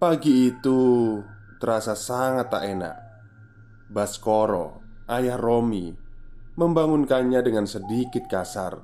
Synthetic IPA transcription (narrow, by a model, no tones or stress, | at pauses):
paɡiːt̪u | t̪əɾasasaŋat̪a̰ʔena̰ʔ | baskoɾɔ̰ajahromḭ | məmbaŋʊnkaɲadəŋansədikɪt̪̚kasa̰r